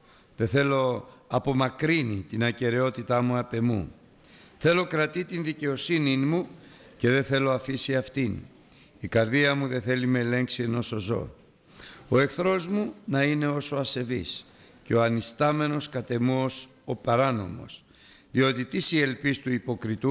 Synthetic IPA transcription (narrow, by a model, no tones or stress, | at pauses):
ðe̞θe̞lo̞ɐpo̞mɐkɾinit̪inɐce̞ɾe̞o̞t̪it̪ɐmuɐpe̞mṵ | θe̞lo̞kɾɐt̪it̪inðice̞o̞sininmu | ce̞ðe̞θe̞lo̞ɐfisiɐft̪in | ikɐɾðiɐmuðe̞θe̞limele̞ŋksie̞no̞sozo̞̰ | o̞e̞kθɾo̞zmunɐine̞o̞so̞ɐse̞vḭs | ceo̞ɐnist̪ɐme̞no̞skɐt̪e̞muo̞sopɐɾɐno̞̰mo̞̰s | ðio̞t̪it̪isie̞lpist̪uipo̞kɾit̪u